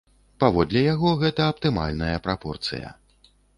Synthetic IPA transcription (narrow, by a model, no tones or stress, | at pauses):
pavɔd̪lʲɛjaɣɔɣɛt̪ɐɐpt̪ɨma̰lʲnɐjɐpɾapɔrt̪sɨ̰jɐ̰